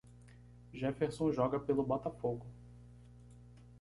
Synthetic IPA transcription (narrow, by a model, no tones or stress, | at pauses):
ʒɛfeɾsõʒɔɡɐpelʊbat̪afoɡʊ